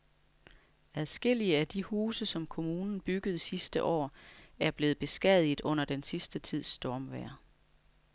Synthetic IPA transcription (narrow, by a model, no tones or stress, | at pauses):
æðˠsɡ̥e̝l̰iəæd̥ihuːsəsɒ̽mkʰo̝muːnn̩b̥yɡ̥ð̞̩ˠsisd̥əʔɒ̰ːæɐb̥le̝ːð̞̩ˠb̥e̝sɡ̥ɛð̰ˠið̩ˠɔ̽n̰ɐd̥ensisd̥ət͡sʰið̰ˠsd̥ɒːmʋæɐ̰